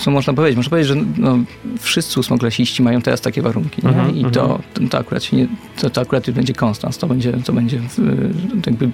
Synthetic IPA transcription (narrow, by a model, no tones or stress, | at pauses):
ɔmɔʐnap̬ɔvʲed͡ʑet͡ɕmɔʐnpvʲjed͡ʑʲʐɛnɔfʂɨst̪sɘusmɔklaɕiɕt͡ɕimajɔ̃w̃t̪ɛɾʔast̪akʲɛvaɾuŋkʲiɲɛit̪ɔ̰t̪t̪ɔakuɾat̪ɕɛɲɛ | t̪ɔt̪ɔakuɾat̪juʐbɛɲd͡ʑɛkɔnst̪a̰nst̪ɔbɛɲd͡ʑɛt̪ɔbɛɲd͡ʑɛ | jaɡ̚bɘ